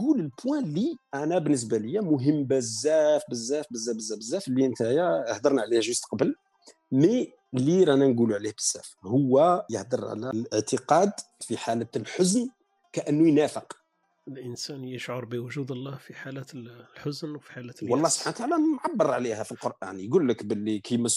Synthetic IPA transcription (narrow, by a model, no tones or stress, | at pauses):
ɡuləlpwæ̃liʔænæbənːəs̬bæləjːæmʊɦəmːbəzːæfbəzːæfbəzːæbəzːæbəzːæflːint̪æjæhd̪ɑɾˤnʕlihʒʊst̪qɑbəl | mi | liɾænænɡuluʕlihbəz̥ːæ̰fhʊwːæjəhd̪əɾˤʕ̰lælʔəʕt̪əqɑd̪ | fiħalæt̪lħʊzn | kæʔənːujnæfəq | əlʔənsænjəʃʕʊɾˤbəwʊʒud̪əlˤːɑhfiħalæt̪lħʊznwfi̥ħalæt̪wɑlˤːɑhsˤb̥ħanwt̪ʕalænʕabːəɾˤʕlihæfilqoɾʔæ̰njɡulːəkbəlːikʰimæs